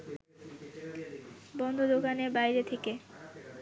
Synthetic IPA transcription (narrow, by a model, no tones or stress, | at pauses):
bɔnd̪ʱod̪okanebajɾet̪ʰeke